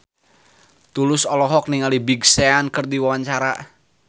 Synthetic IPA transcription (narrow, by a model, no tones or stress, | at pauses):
t̪ulʊsɔlɔɦɔk̚niŋalibiɡseankɨrd̪iwawaɲt͡ʃaɾa